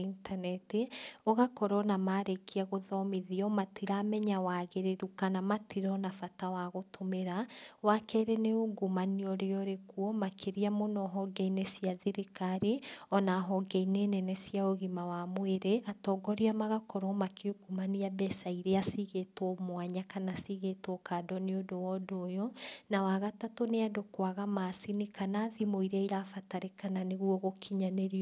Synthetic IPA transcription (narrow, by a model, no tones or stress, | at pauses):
intanɛteɔɣakɔɾɔnamaːɾekiaɣoðɔmeðiɔmatiɾamɛɲawaɣeɾeɾukanamatiɾɔnafatawaɣotʰomeɾawakɛɾeneoɡumaniɔɾeɔɾekuɔmakeɾiamonɔɦɔɡɛinesiaðiɾekaɾeɔnaɦɔɡɛineːnɛnɛsijaoɣimawamweɾeʔatɔɡɔɾiamaɣakɔɾɔmakioɡumaniabɛsaiɾeasiɣetomwaɲakanasiɣetokadɔneodowɔdoːjɔnawaɣatatoneadokwaɣamaːsinikanaðimoiɾaiɾafataɾekananeɣwɔɣokʰiɲaneɾiɔ